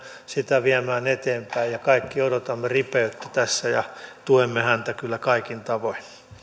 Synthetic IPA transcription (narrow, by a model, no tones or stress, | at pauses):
sit̪æʋiæmæːnet̪eːmpæijjɑkɑikːiodot̪ɑmːeripeyt̪ːæ̥t̪æsːæjɑ̰t̪uemːehænt̪ækylːækɑikint̪ɑʋoin